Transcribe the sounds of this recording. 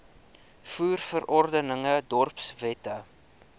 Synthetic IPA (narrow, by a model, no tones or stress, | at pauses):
fuːrfəɾɔrdənəŋədɔrpsvɛtə